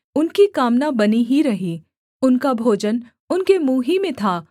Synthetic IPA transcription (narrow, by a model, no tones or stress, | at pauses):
ʊnkikaːmnabɐniɦiɾɐɦi | ʊnkabʱoːd͡ʒən | ʊnkemuːɦimẽt̪ʰaː